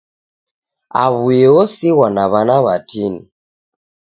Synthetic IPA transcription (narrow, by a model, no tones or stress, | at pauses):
a̰βujɛɔsiɣwanaβanaβatʰini